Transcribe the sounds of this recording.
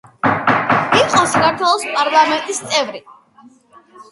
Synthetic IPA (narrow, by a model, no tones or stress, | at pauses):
iqʼɔsakaɾt̪ʰwɛlˠɔspʼaɾlˠamɛnt̪ʼist̪sʼɛvɾi